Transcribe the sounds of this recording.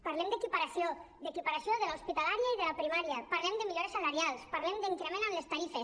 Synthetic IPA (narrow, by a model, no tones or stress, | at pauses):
paɾlɛmd̪ekipaɾasiod̪ekipaɾasjoðəlauspit̪alaɾjaiðəlapɾimaɾjəpaɾlɛmd̪əmiʎoɾesalaɾjalˠspaɾlɛmd̪iŋkɾemẽnamlest̪aɾifes